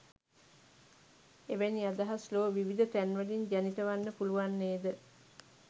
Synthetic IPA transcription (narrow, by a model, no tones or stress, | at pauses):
eʋæniad̪aɦasloːʋiʋid̪ət̪ænʋəliɲd͡ʒænit̪əʋanːəpuluʋanːeːd̪ə